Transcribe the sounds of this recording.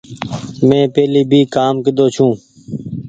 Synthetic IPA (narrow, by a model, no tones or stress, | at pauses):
mẽːpeːliːbʱiːkaːmkəd̪oːt͡ʃʰũː